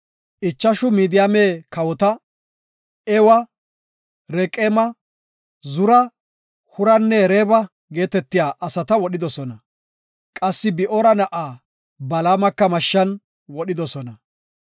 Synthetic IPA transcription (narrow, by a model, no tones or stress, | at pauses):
ʔɪt͡ʃːɐʃʊmiːd̪ɪjameːkɐwɔt̪ɐ | ɛwɐ | ɾɛkʼeːmɐ | zʊɾɐ | hʊɾɐnːɛɾebɐ | ɡe̞ːt̪ɛt̪ːɪjaːʔɐsɐt̪ɐwɔɗɪd̪ɔsɔnɐ | kʼɐsːɪbɪʔɔɾɐnɐʔaː | bɐlaːmɐkːɐmɐʃːɐn | wɔɗɪd̪ɔsɔnɐ